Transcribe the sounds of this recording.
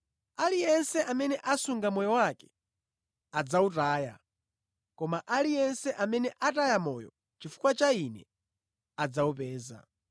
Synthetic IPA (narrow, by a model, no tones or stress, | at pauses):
alijɛnsɛʔamɛnɛʔasuŋɡamɔjɔwakɛ̥ | ad͡zautaːja̰ | kɔmaʔalijɛnsɛʔamɛnɛʔatajamɔjɔ̰ | t͡ʃifu̥kwat͡ʃainɛ̰ | ad͡zaupɛːza̰